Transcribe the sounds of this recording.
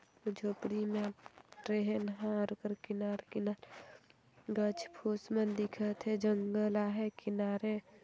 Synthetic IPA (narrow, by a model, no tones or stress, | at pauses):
d͡ʒʱoːpɽimẽʈɾeɦnɦãɾkəɾkɪnaːɾkinaːɾ | ɡət͡ʃʰpʰusmənd̪ɪkʰət̪ʰed͡ʒəŋɡəlaɦekɪnaːɾe